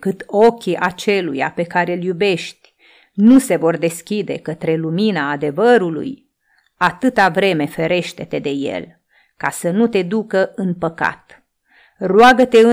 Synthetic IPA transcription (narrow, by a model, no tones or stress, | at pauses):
kɨt̪o̞kʲiʔat͡ʃe̞luja̰pe̞kaɾe̞ljube̞ʃt̪ʲ | nuse̞vo̞rd̪e̞skʲid̪e̞̰kət̪ɾe̞luminaːd̪e̞vəɾulṵj | at̪ɨt̪avɾe̞me̞fe̞ɾe̞ʃt̪e̞t̪e̞d̪e̞je̞̰l | kasənut̪e̞d̪ukəʔɨnpəka̰t̪ | rwaɡət̪e̞ɨ